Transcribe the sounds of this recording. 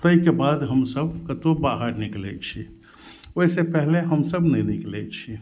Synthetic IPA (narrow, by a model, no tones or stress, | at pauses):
t̪əikebad̪ɦəmsəbkət̪obaɦaɾniklɛt͡ʃʰi | oisepɛɦleɦəmsəbnəiniklɛt͡ʃʰi